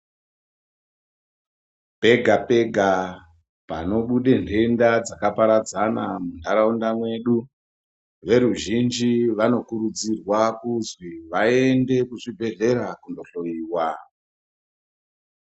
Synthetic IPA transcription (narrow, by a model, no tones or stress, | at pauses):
pe̞ɡʱape̞ɡʱa | pa̰no̞ɓuɗe̞nde̞ndad͡zakapaɾad͡zanamundaɾaundamwe̞ːɗu | ʋe̞ɾuʒind͡ʒiʋano̞kuɾud͡zirwakuzwiʋae̞nde̞kuʐibʱe̞ɮe̞ɾakundo̞ɬo̞jiːwa